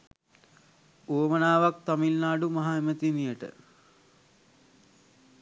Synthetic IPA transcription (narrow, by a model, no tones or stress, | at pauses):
uʋəmənaːʋak̚t̪amilnaːɖumaɦaemət̪inijəʈə̰